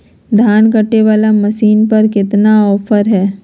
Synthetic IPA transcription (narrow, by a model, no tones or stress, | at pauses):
d̪ʱaːnkəʈːeʋaːlamɐʃiːnpɐɾkɪt̪naɔːpʰəɾɦɛː